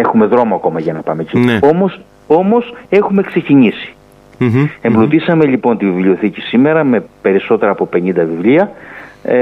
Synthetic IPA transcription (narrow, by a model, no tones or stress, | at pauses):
exume̞ðɾo̞moɐko̞mɐʝɐnɐpɐmecio̞mo̞s | o̞mose̞xume̞kse̞ciɲisi̥ | e̞mblut̪isɐme̞ʎipo̞nt̪ivivlio̞θicisime̞ɾɐme̞pe̞ɾiso̞t̪e̞ɾɐːpo̞pe̞nind̪ɐvivliɐ